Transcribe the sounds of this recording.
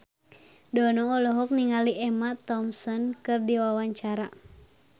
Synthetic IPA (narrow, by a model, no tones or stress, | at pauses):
dɔnɔɔlɔɦɔk̚niŋaliʔɛmat̪ɔmsɔnkɨrdiwawaɲt͡ʃaɾa